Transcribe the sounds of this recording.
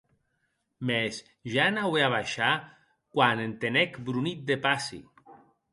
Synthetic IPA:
mes | ʒanaweaβajʃa | kwanent̪enekbɾunit̪̚d̪epasḭ

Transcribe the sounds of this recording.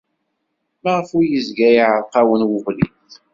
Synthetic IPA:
mæʁəfʊɾjəzɡæjʕəɾqɑwənwʊʁlḭθ

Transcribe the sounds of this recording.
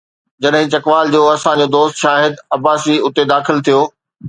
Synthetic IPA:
d͡ʑɐɗɦɪ̃t͡ɕɐkʋaːld͡ʑoːɐsãɲd͡ʑoːd̪oːst̪ʃaːɦɪd̪ɐbaːsiʊt̪ed̪aːxɪlt̪ʰijoː

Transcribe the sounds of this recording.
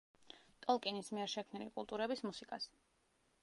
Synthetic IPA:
t̪ʼɔlˠkʼinismiɛɾʃɛkʰmnilikʼulˠt̪ʼuɾɛbismusikʼas

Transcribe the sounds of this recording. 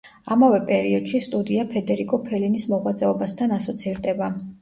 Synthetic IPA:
amavɛpʼɛɾiɔd̪̥ʃist̪ʼud̪iapʰɛd̪ɛɾikʼɔpʰɛlinismɔʁwat̪sʼɛɔbast̪ʰanasɔt̪sʰiɾd̪ɛba

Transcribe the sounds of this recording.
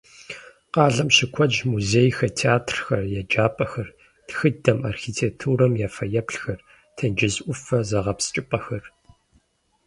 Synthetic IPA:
qɑːɮɐmɕɪkʷʰɔd͡ʒmuzeːjxɐtʰeaːtʰrxɐrjɛd͡ʒaːpʼɐxɐr | txɨdɐma̰ːrxitʰeːk̚tʰuːɾɐmjaːfɐjɛpɬxɐr | tʰɐnd͡ʒɪzʔʷʊfɐzɐʁɐpst͡ʃʼɪpʼɐxɐr

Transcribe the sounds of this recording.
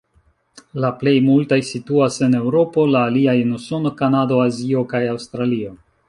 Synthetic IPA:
laple̞jmultajsituase̞ne̞wɾo̞po̞laːliajenuso̞no̞kanado̞azio̞kajawst̪ɾalio̞

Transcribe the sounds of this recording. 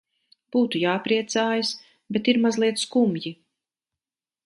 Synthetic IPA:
b̥uːt̪ujaːpɾiɛt̪saːjas | bet̪iɾmazlˠiɛt̪skumji

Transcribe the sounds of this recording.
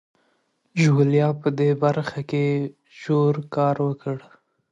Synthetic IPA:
ʒuljɑpəd̪ebaɾxake | ʒoɾkɑɾwəkəɽ

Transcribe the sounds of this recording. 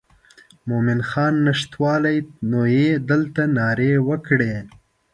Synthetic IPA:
momɪnxɑnːɪʂt̪wɑlajnojed̪əlt̪anɑɾewəkɽe

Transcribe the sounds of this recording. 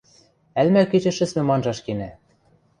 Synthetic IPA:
ælmælket͡ɕɘ̆ʃɘ̆smɘ̆mɑnʒɑʃkenæ

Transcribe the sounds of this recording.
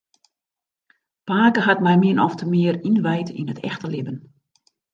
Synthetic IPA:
paːkəɦatmɛjmɪənʔɔftʰəmɪərinʋɛjtḭnətʰɛ̰xtəlɪbən

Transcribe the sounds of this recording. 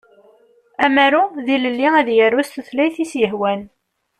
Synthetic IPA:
æmæɾuðiləlːiæðjərːust̪θlæjθisjəɦwæn

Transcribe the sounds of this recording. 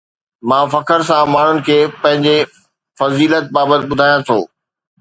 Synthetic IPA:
mãːfɐkəɾsãmaːɳ̤ʊnɪ̆kʰeːpɐ̃ɦɪ̃ɲd͡ʑe | fɐziːlət̪̚baːbət̪ɪɓʊd̪ʱaːjãt̪ʰo̰ː

